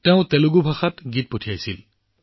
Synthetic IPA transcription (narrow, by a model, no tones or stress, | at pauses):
tɛʊ̃t̪eluɡubʱaxatɡit̚potʰijajsil